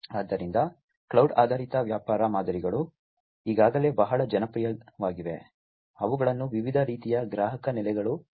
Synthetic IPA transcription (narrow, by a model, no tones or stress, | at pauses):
aːd̪ːɐɾind̪ɐ | kɭɐwɖa̰ːd̪ʱaːɾit̪ɐʋjaːpaːɾɐmaːd̪ɐɾiɡɐɭu | iːɡaːɡɐle̞ːbɐɦɐɭɐd͡ʒɐnɐpɾijɐʋaːɡiʋe̞̰ | ɐʋuɡɐɭɐnːuʋiʋid̪ʱɐɾiːt̪ijɐɡɾaːɦɐkɐnɛlɛɡɐɭu